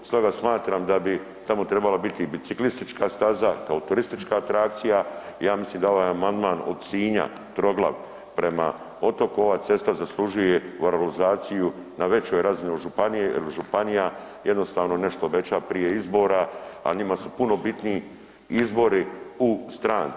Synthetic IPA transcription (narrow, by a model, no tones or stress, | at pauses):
st̪oɡasmaːt̪ɾamd̪abi | t̪amot̪ɾe̞balabit̪ibit̪siklist̪it͡ʃkast̪azakaot̪uɾist̪it͡ʃkaːt̪ɾak̚t̪sijaijaːmisliːmd̪ao̞ʋaːjamand̪maːno̰d̪siːɲa̰ | t̪ɾo̞ɡla̰ʋ | pɾe̞ma̰ | o̞t̪o̞kuo̞ʋat̪se̞st̪azaslˠuʒuje̞ʋoɾalizaːt̪sijunaʋe̞t͡ɕo̞jɾazinoʒupanijelʒupanija | je̞d̪nost̪aːʋno̞ne̞ʃt̪oːbe̞t͡ɕapɾije̞izbo̞ːɾaa̰ɲimasupuno̞bit̪nii | izbo̞ɾiust̪ɾaːn